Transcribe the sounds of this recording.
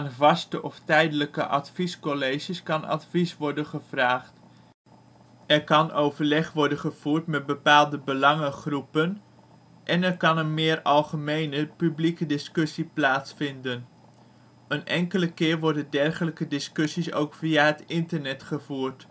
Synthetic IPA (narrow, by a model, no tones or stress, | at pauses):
aːnvɑstəʔɔftɛjdələkə̰ʔɑ̰tfiskɔlejʒəskɑnɑ̰tfisʋɔɹdənχəv̥raːχt | ʔɛɹkɑnʔowvəɹlɛχʋɔɹdənχəv̥uːrtmɛt̚bəpaːlˠdəbəlɑŋəχrupən | ʔɛnɛɹkɑnənmɪːrɑlˠχəmejnəpyblikədɪskɵsiplaːsfɪndən | ənʔɛŋkələkɪːɹʋɔɹdəndɛrχələkədɪskɵsiso̰wkfiaɦətɪntərnɛtχəvuːrt